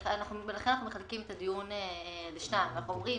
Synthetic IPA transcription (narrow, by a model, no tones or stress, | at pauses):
anaχnubelaenanaχnumeχalkimet̪ad̪ijuneleʃnajmanaχnuomʁi